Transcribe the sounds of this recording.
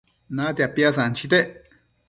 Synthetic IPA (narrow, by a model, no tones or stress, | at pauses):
nãt̪eapjasant͡ʃit̪̬eʔ